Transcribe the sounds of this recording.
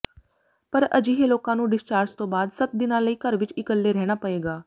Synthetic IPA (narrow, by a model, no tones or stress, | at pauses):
pəɾəd͡ʒiːɦeːloːkãːnũːɖɪst͡ʃaːɾd͡ʒt̪õːbaːd̪sət̪̚d̪ɪnãːləiːkəɾʋɪt͡ʃɪkəlːeːɾɛːɽ̃aːpəeːɡaː